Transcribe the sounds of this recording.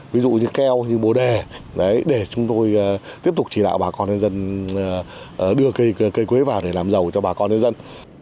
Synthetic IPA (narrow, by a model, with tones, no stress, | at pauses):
vi˨˦zṵ˧˨ɲɨ˧kɛ˧wɲɨ˧ɓo˨˩ɗe˨˩ | ɗə˨˦jɗe˧˩t͡ɕʊ˨˦ŋ͡mt̪o˧jt̪i˦˥əp̚tʊ˨˩k͡p̚t͡ɕi˧˩ɗa̰ː˧˨wɓaː˨˩kɔ˧nɲə˧nzə˧nː˨˩˨ | ɗɨ˧əkə˧jkə˧jkwe˨˦vaː˨˩wɗe˧˩laː˨˩mzə˨˩wt͡ɕɔ˧ɓaː˨˩kɔ˧nɲə˧nzə˧n